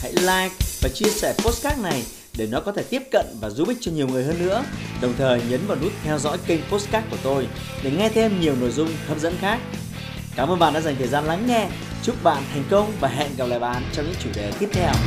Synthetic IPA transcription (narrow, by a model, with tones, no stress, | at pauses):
ha̰˧˥jlaː˧jk̚vaː˨˩t͡ɕi˧əsɛ˧˩po˦˥skaː˦˥k̚na˨˩j | ɗe˧˩nɔ˨˦kɔ˨˦t̪ʰe˧˩t̪i˦˥əp̚kə̰˧˨nvaː˨˩zu˧˦ɓi˦˥k̟̚t͡ɕɔ˧ɲi˨˩əwŋɨ˨˩əjɦəː˧nːɨ̰˧˥əɗə˨˩wŋ͡mt̪ʰəː˨˩jɲə˨˦nɓɔ˨˩nu˦˥t̚t̪ʰɛ˧wzɔ̰˧˥jkï˧ŋ̟po˦˥skaː˦˥k̚kːu˧˩ə˩t̪o˧j | ɗe˧˩ŋɛ˧t̪ʰe˧mɲi˨˩əwno̰˧˨jzʊ˧ŋ͡mhə˧mzə̰˧˥nxaː˦˥k̚ | kaː˧˩məː˧nɓaː˧˨ɗa̰ː˧˥za˨˩ŋt̪ʰəː˨˩jzaː˧nla˨˦ŋːɛ˧ | t͡ɕu˦˥t̚ɓa̰ː˧˨nt̪ʰa˨˩jŋ̟kə˧wŋ͡mvaː˨˩ɦɛ̰˧˨nɣa˨˩p̚la̰ː˧˨jɓa̰ː˧˨nt͡ɕɔ˧ŋ͡mɲɨ̰˧˥ŋt͡ɕu˧˩ɗe˨˩t̪i˦˥əp̚t̪ʰɛ˧w